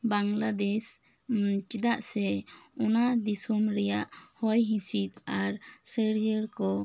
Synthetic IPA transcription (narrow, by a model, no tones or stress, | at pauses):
baŋlad̪ɛs | t͡ʃid̪aʔsɛɔnad̪isumɾɛjaʔhɔjɦĩsit̪aɾsəɽjəɾkɔ